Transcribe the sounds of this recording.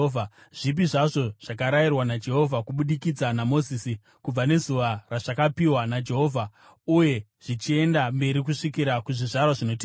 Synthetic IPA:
vaʐ̥ip̬iʐaʐo̞ʐ̥ak̬aɾajirwanad͡ʒe̞ɦo̞vʱakuɓuɗikid͡zanamo̞ziːsi | kub͡vane̞zuʋaraʐ̥akapiwanad͡ʒe̞ɦo̞vʱa | uje̞ | ʐ̥it͡ʃie̞ndambe̞ɾikuʂikiɾakuʐiʐarwaʐino̞t̬e

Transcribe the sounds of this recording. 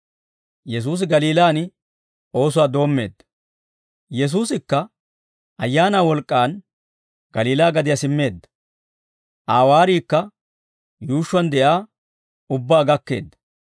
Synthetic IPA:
jɛs̬uːs̬ɪɡɐliːlaːnɪ | o̞ːs̬ʊwaːd̪o̞ːmːe̞̰ːd̪ːɐ̥ | jɛs̬uːsɪkːɐ | ʔɐjːaːnaːwɔlkʼːaːn | ɡ̥ɐliːlaːɡɐd̪ɪjɐsɪmːe̞ːd̪ːɐ̥ | ʔaːwaːɾiːkːɐ | juːʃːʊwɐnd̪ɛʔaː | ʊbːaːɡɐkːe̞̰ːd̪ːɐ̥

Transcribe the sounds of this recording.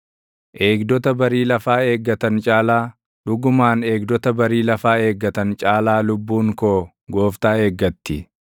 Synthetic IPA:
ʔe̞ːɡd̪ɔt̪ɐbɐɾiːlɐfaːe̞ːɡːɐt̪ɐnt͡ʃʼaːlaː | ᶑʊɡʊmaːneːɡd̪ɔt̪ɐbɐɾiːlɐfaːe̞ːɡːɐt̪ɐnt͡ʃʼaːlaːlʊbːuːŋkoː | ɡo̞ːft̪aːeːɡːɐt̪ːɪ

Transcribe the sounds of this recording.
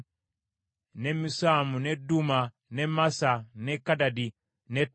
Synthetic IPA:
nɛmisamunɛduma | nɛmasanɛkadadi | nɛt

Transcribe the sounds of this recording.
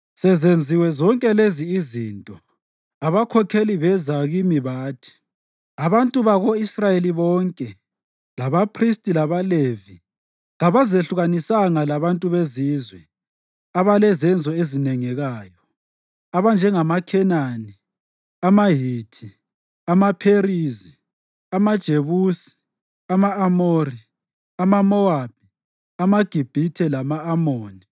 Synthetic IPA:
sɛzend͡zʱiwɛzɔŋkʼɛleziːzintʼɔ | aβakʰɔkʰeliβɛzaɣimiβaːtʰi̥ | aβantʼuβaɣoisrajeliβɔːŋkʼɛ | laβapʰristʼilaβaleːvi | ɣaβazeɬuɣanisaŋalaβantʼuβeziːzwɛ | aβalɛzɛnd͡zʱɔezinɛŋɛɣaːjɔ | aβand͡ʒʱɛŋamakʰɛnani | amaɦiːtʰi | amapʰerizi | amad̥ʒ̥ʱeβuːsi̥ | amaːmoːri | amamɔab̥ʱi | amaɡ̥ʱib̥ʱitʰɛlamaːmoːni

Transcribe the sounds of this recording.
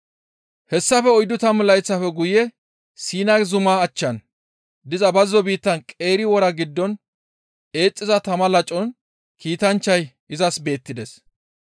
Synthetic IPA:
hɛsːɐfɛɔjd̪ʊt̪ɐmlɐjt͡sːɐfɛɡʊjɛ | siːnɐɡzʊmaːt͡ʃːɐn | d̪ɪzɐbɐzːɔbiːt̪ːɐnkʼe̞ːɾɪwɔɾɐɡɪd̪ːɔn | e̞ːt͡sʼːɪzɐt̪ɐmɐlɐt͡ʃʼɔn | kiːt̪ɐnt͡ʃːɐj | ɪzɐsbe̞ːt̪ːɪd̪ɛs

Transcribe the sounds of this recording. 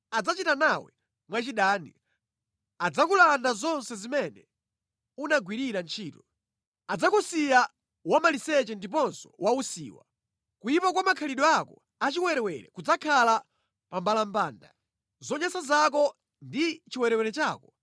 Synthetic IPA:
ad͡zat͡ʃitanawɛ̰ | mwat͡ʃiɗaːnḭ | ad͡zakulandazɔnsɛzimɛnɛ | unaɡwiɾiɾant͡ʃʰiːtɔ | ad͡zakusija | wamalisɛt͡ʃɛndip̬ɔnsɔ̥wausḭːwa̰ | kujipak̬wamakʰaliɗɔakɔ | at͡ʃiwɛɾɛwɛɾɛ̰kud͡zakʰala | pambalambaːnda | zɔɲasazak̬ɔ | ndit͡ʃiwɛɾɛwɛɾɛt͡ʃaːkɔ

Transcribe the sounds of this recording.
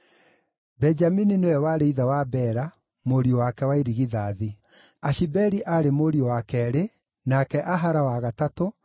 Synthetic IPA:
bɛd͡ʒamininewɛwaːɾeiðawabɛɾa | moɾiowakɛwaiɾiɣiðaːði | aʃibɛɾiʔaɾemoɾiowakɛɾe | nakɛʔaɦaɾawaɣatato

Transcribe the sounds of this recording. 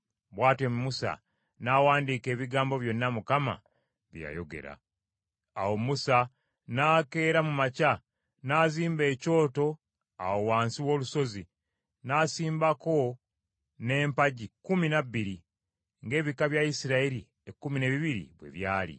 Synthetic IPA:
βwaːtwemmusa̰ | nawaːndiːke̞ːβiɡaːmbo̞βjo̞nːamukama̰ | βja̰jo̞̰ɡe̞̰ɾa̰ | a̰wo̞musa | naːke̞ːɾamumaca | naːziːmbe̞ːco̞ːto̞ | a̰wo̞waːnsiwo̞ːluso̞zi | naːsiːmbako̞ | ne̞ːmpaɟikuminabːiɾi | ŋɡe̞ːβikaβjaisiɾaeɾi | ekːumine̞βiβiɾḭβwe̞̰βjaːlḭ

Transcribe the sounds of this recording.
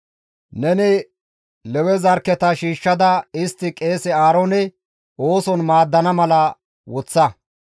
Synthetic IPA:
nɛnɪ | lɛwɛzɐɾkːɛt̪ɐʃiːʃːɐd̪ɐɪst̪ːɪkʼe̞ːsɛaːɾonɛ | oːsɔnmaːd̪ːɐnɐmɐlɐ | wɔt͡sːɐ

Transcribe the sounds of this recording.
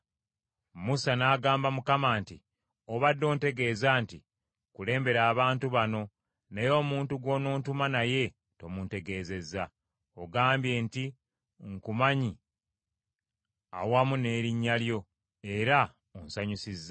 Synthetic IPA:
musanaːɡaːmbamukamaːnti | oβadːo̞ːnte̞ɡe̞ːzaːnti | kule̞ːmbe̞ɾaːβaːntuβano̞ | nejo̞ːmuːntuɡwo̞no̞ːntumanaje̞ | to̞munte̞ɡe̞ːze̞za | oɡaːmbje̞nti | ŋkumaɲi | a̰wamune̞ːɾiɲːaljo̞ | e̞ɾa | onsaɲusizːa

